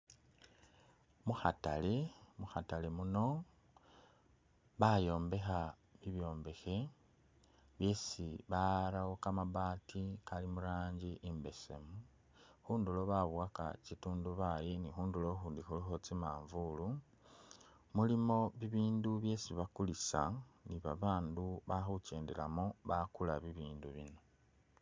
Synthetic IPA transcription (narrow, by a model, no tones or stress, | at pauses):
muxata̰le̞muxatale̞muno̞ | βajo̞ːmbe̞xa | βiβjo̞ːmbe̞xe̞ | βje̞ːsiβaɾawokamaβaːtʰikalimuɾaːɲɟiʔimbe̞se̞̰mu | xuːndulo̞βaβwaka̰cituːnduβaje̞nixuːndulo̞xuːndixulixo̞t͡simaːɱvulu | mulimo̞βiβiːnduβje̞ːsiβakulisa̰niβaβaːnduβaxuce̞ːndela̰moβakulaβiβiːnduβino̞